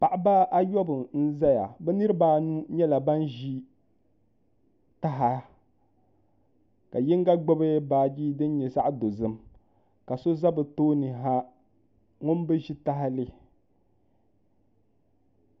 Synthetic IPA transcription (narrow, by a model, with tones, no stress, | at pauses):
pa˨ʔa˦ba˦ʔa˦jɔ˦bɨ˨n̩˦za˦ja̰˨bɛ˦nɨ˦ɾɨ˦baː˦nu˦ɲɛ˦la˨ba˦nʒi˦ | ta˦ɦa˦ | ka˨ji˦ŋ˦ɡa˦ɡ͡bɛ˦bɨ˦baː˨˦˨d͡ʒi˦dɨ˦n˦ɲɛ˨sa˦ʔdo˨zɨ˦m | ka˨so˦za˦bɨ˨toː˦nɨ˨ɦa˦ | ŋʊ˦n˦bɨ˦ʒi˦ta˦ɦa˦lɨ˦